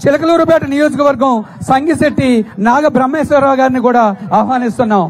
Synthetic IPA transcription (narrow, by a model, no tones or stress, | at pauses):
t͡ʃilɐkɐluːɾubaːʈɐnijoːd͡ʒɐkɐʋɐɾɡɐmsɐŋɡiseʈːinaːɡɐbɾɐmːeːʃʋɐɾaːɡaːɾinikuːɽaːɐːɐʋaːnist̪unːaːm